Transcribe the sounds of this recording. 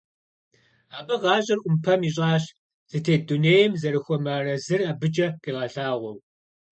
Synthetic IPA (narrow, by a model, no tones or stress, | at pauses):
aːbɐʁɑːɕʼɐrʔʷʊmpʰɐmiːɕ̬ʼɑːɕ | z̥ɨtʰeːduneːjɛmzɐɾɨxʷɔmɐrɐzɨrɐbɨd͡ʒʼɐqiːʁɐɬaːʁʷɔw